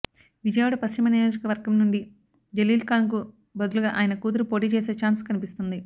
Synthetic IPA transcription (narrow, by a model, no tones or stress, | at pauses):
ʋid͡ʒɐjʋaːɽɐpɐst͡ʃimɐnijo̞ːd͡ʒɐkɐʋɐɾɡɐmnuɳɖi | d͡ʒeliːlkaːnk̬u | bɐd̪uluɡaːʔaːjɐnɐkuːd̪̬uɾupo̞ːʈiːt͡ʃeːse̞ːt͡ʃaːnskɐnipist̪und̪i